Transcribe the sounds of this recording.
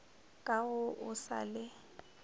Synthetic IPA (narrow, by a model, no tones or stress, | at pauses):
kʼaɣʊʔʊsa̰lɪ